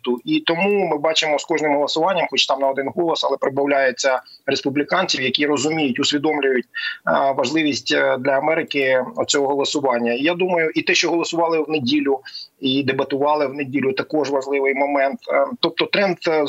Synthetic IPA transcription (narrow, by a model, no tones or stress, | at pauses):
t̪ʊit̪ɔmumɪbɑt͡ʃɪmɔskɔʒnɪmɦɔlˠɐsʊʋɑnʲːɐmxɔt͡ʃt̪ɑmnɐɔd̪ɪnɦɔlˠɔsɐlˠɛpɾɪd̪bɐwlʲajet͡sʲːɐɾespʊblʲikɑnʲt͡sʲiwjɐkʲiɾɔzʊmʲijʊtʲʊsʲʋʲid̪ɔmlʲʊjʊtʲʋɐʒlˠɪʋʲisʲtʲd̪lʲɐːmɛɾɪkɪɔ̰̥t͡sʲɔɦɔɦɔlˠɔsʊʋɑnʲːɐijad̪umɐjʊʔit̪ɛʃt͡ʃɔɦɔlˠɔsʊʋɑlˠɪwnedʲilʲʊid̪ebɐt̪ʊʋɑlˠɪwnedʲilʲʊt̪ɐkɔʒʋɐʒlˠɪʋɪjmɔmɛnt̪t̪ːɔp̚t̪ɔt̪ɾɛnd̪